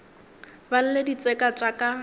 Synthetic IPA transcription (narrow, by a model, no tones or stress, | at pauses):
ban̩ledit͡sʼɛkʼat͡ʃʼakʼa